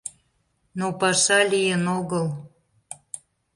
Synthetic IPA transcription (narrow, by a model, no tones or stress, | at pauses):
nopɑʃɑlʲijənoɣəl